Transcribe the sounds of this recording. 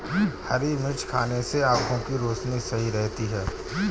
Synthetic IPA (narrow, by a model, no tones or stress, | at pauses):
hɐɾimɪt͡ʃkʰaːneseaːkʰõkiɾoːt͡ʃnisɐɦiɾɛɦt̪iɦɛː